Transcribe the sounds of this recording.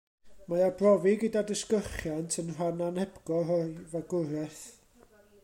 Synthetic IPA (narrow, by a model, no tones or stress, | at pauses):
majabrɔviɡədadəskəχjantʰənrananɛpɡɔrɔvaɡʊɾɛθ